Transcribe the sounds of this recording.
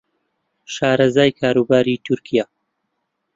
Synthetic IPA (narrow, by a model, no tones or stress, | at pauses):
ʃaːɾɐzaːjkʰaːɾuːbaːɾiːt̪ʰʊɾkʰijaː